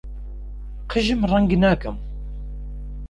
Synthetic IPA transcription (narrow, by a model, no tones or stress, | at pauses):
qəʒəmrˤːɑŋɡnækəm